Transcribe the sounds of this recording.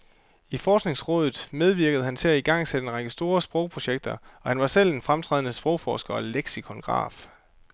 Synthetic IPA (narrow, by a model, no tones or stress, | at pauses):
ifɒːsɡ̥ne̝ŋsʁɔ̽ːð̞ˠð̩ˠmeð̞ˠʋiɐɡ̥əð̞̩ˠəhænt͡sʰe̝æiɡ̥ɑ̈ŋ̰sed̥əenʁɑ̈ɡ̥əsd̥o̝ːɐsb̥ʁɔʊpʰʁo̝ɕeɡ̥̚d̥ɐɒ̽hænʋɑ̈sel̰enfʁamt͡sʰʁɛ̰ðˠnəsb̥ʁɔ̽ʊfɒ̰ːsɡ̥ɐɒ̽leɡ̥sikʰɒ̽nɡ̥ʁɑ̰̈ːf